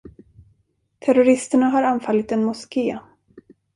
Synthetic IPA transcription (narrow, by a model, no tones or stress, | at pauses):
t̪ʰɛɾʊɾɪst̪əɳaɦaɾanfalːɪt̪ɛnmʊskeː